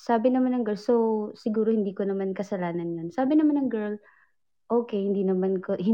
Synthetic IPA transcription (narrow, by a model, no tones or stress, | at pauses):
saːbɪnɐmanːɐŋɡɛlsosɪɡuːɾohɪnd̪iːkonɐmankɐsɐlaːnɐnjonsaːbɪnɐmanːɐŋɡɛl | ʔoːkɛhɪnd̪iːnɐmankohɪ